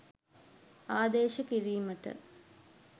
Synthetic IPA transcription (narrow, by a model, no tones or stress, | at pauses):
aːd̪eːʃɐkiɾijmɐʈə̰